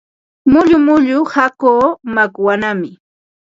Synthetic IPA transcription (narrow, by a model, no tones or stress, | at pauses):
mʊʎʊmʊʎʊhakoːmakwanamɪ